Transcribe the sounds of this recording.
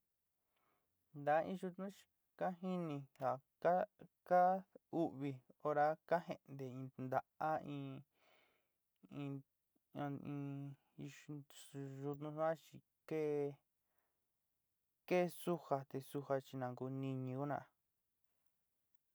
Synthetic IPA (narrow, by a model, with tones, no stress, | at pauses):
nd̪a˨˦ḭ̃˧ʒu˧t̪nũ˦t͡ʃi̥˧ | ka˦ɦi˦nĩ˧ha˨ | a˦ka˦u˦ʔβi˧o˧ɾa˧ka˦ɦe˧ʔnd̪e˨ĩ˧nd̪a˧ʔa˦ĩː˧ | ĩ˧ | ĩ˧ | ʒu˧t̪nũ˧ʂã˦t͡ʃi˧ | ke˦ | ke˦˧su˦ha˧t̪e˧su˧ha˧t͡ʃi˧nã˧ŋɡu˧nĩ˧ɲĩ˧u˦nã̰˧˨˧